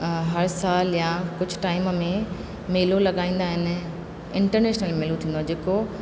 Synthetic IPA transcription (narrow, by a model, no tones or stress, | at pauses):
ɦɐɾsaːljãkʊd͡ʑʱʊʈaːɪmmẽ | meːlolɐɠaːĩːnd̪aːɦɪnɪ̆ | ɪ̃ɳʈəɾneːʃnəlmeːlũt̪ʰĩːndoãːd͡ʑeːko